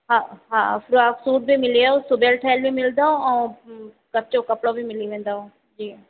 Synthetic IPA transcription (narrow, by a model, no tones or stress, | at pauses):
ɦãːɦã̰ːpʰɾuaːksuːʈ̚bʱiːmɪliaosʊbelʈʰaːɪlbiːmɪld̪aːõːã | kət͡ʃõːkəpɽõːbʱimɪliʋẽːnd̪aːõː | d͡ʒiː